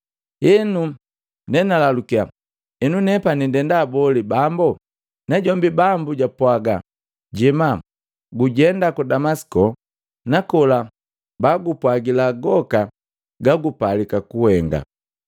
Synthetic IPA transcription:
ɛnu | nɛnalalukia | ɛnunɛpanindɛndaːbɔlibambɔ | naɟɔmbibambuɟapwaɡa̰ | ɟɛma | ɡuɟɛndakudamasi̥kɔ | nakɔla | baɡupwaɡilaɡɔka | ɡaɡupalikakuhɛŋɡa̰

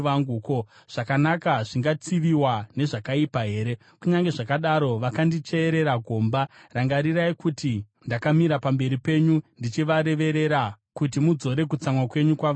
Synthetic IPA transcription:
ʋaŋɡuːko | ʐ̥akanakaʐiŋɡat͡siʋiwane̞ʐakaipaɦe̞ːɾe̞ | kuɲaŋɡe̞ʐakaɗaɾo̞ʋakandit͡ʃe̞ːɾe̞ɾaɡʱo̞ːmbaraŋɡaɾiraikuti | ndakamiɾapambe̞ɾipe̞ɲundit͡ʃiʋaɾe̞ʋe̞ɾe̞ɾa | kut̬imud͡zo̞ɾe̞k̬ut͡samwakwe̞ɲukwaʋa

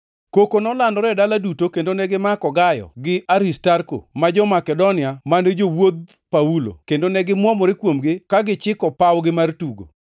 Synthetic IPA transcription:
kokonɔlandɔɾɛdaladutokendonɛɡɪmakɔɡajɔ̰ɡɪʔaɾistarko̰mad͡ʒɔmakɛdonɪamaned͡ʒowod̪̚ | paulo̰kendonɛɡɪmwɔmɔɾekwomɡɪkaɡɪt͡ʃɪkɔpawɡɪmartuɡo̰

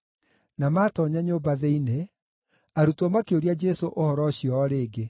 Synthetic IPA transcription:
namaːtɔɲaɲobaðeine | aɾutɔmakeoɾiad͡ʒɛsoʔohɔɾɔɕiɔːɾeːɡe

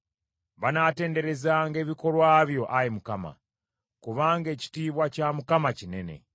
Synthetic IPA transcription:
βanate̞ːnde̞ɾe̞zaŋɡe̞ːβiko̞lwaːβjo̞ʔajemukama̰ | kuβaːŋɡe̞ːci̥tiːβwacamukamacine̞̰ne̞̰

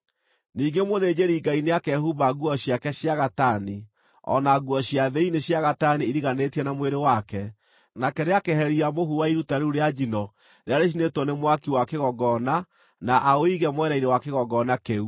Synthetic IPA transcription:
niːŋɡemoðed͡ʒeɾiːɡaineakɛhuβaɣuɔɕjakɛɕjaɣatani | ɔ̰naɣwɔɕjaðeineɕjaɣataniiɾiɣanetiɛnamweɾewakɛ | nakɛɾeakeɦɛɾiamohuwaiɾutaɾeuɾead͡ʒinɔ | ɾeaɾeɕ̬inetwɔnemwakiwakeɣɔɡɔna | naʔaoiɣɛmwɛɾainewakeɣɔɡɔnakeu

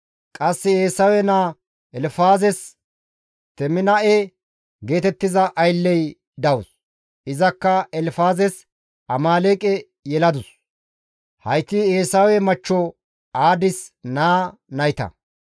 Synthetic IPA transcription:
kʼɐsːɪeːsɐwɛnaː | ɛlfaːzɛs | t̪ɛmɪnɐʔe | ɡe̞ːt̪ɛt̪ːɪzɐʔɐjlːɛj | d̪ɐwʊs | ɪzɐkːɐɛlfaːzɛs | ɐmaːleːkʼɛ | jɛlɐd̪ʊs | hɐjt̪ːieːsɐwɛmɐt͡ʃːɔ | aːd̪ɪsnaːnɐjt̪ɐ̰

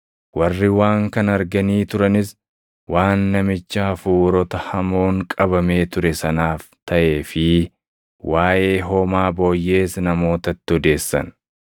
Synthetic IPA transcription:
wɐrːɪwaːŋkɐnɐɾɡɐniːt̪ʊɾɐnɪs | waːnːɐmɪt͡ʃːaːfuːɾɔt̪ɐhɐmo̞ːŋkʼɐbɐme̞ːt̪ʊɾɛsɐnaːft̪ʰɐʔe̞ːfɪ | waːʔe̞ːɦoːmaːbo̞ːjːe̞ːsnɐmo̞ːt̪ɐt̪ːɪɔd̪e̞ːsːɐ̰n

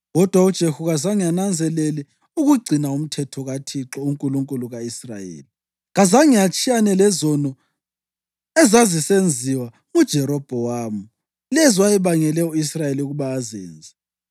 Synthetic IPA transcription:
ɣɔd̥ʱwaud̥ʒ̥ʱehuɣazaŋijanand͡zʱɛlɛlɛ | uɣuɡ͡ǀʱinaum̩tʰɛtʰɔɣatʰiǁɔuŋkʼuluŋkʼuluɣaisra̰jḛːli | ɣazaŋijat͡ʃʼijanɛlɛzɔnɔ | ɛzazisend͡zʱiwa | ud̥ʒ̥ʱɛɾɔb̥ʱɔwaːmu | lɛziwajɛβaŋɛlɛuisrajeliuɣuβaːzḛːnd͡zʱi̥

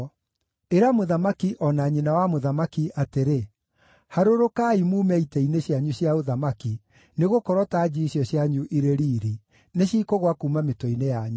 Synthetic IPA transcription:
eɾamoðamakiʔɔnaɲinawamoðamakiʔateɾe | haɾoɾokaimuːmɛitɛineɕjaɲuɕjaoðamaki | neɣokɔɾɔtad͡ʑiɕjɔɕjaɲuʔiɾeɾiːɾi | neɕiːkoɣwakumametɔinejaɲu

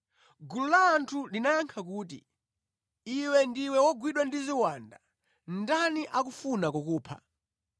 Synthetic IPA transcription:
ɡululaːntʰulinajaŋkʰak̬uːt̬ḭ | iwɛndiwɛwɔɡwiɗwandiziwanda | n̩daniʔakufunakɔkuːpʰa̰

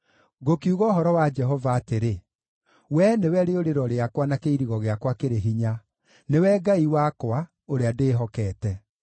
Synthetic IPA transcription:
ɣokiuɣɔːɦɔɾɔwad͡ʒɛɦɔvaːteɾe | wɛnewɛɾeoɾeɾɔɾeakwanakeiɾiɣɔɣeakwakeɾeɦiɲa | newɛɡaiwakwa | oɾeadeːɦɔkɛːtɛ

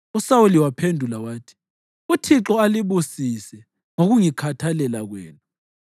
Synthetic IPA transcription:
usawuliwapʰendʱulawaːtʰi̥ | utʰiǁɔaliβusisɛ | ŋoɣuŋikʰatʰalɛlaɣwɛ̰ːnu

